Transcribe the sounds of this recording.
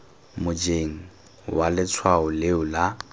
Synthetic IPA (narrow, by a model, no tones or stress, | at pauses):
mʊd͡ʒeŋ̩ | walɪt͡sʰwaʊlɪʊla